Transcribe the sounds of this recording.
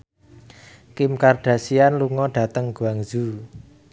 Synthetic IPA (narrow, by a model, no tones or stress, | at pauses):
kimkarɖ̥a̤sianluŋɔɖ̥a̤t̪əŋɡuaŋz̥u